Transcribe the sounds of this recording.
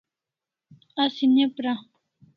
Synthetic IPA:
asɪɲapɾa

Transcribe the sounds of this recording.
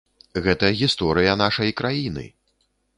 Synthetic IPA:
ɣɛt̪ɐɣʲist̪ɔɾɨjɐn̪aʂɐjkɾajinɨ̰

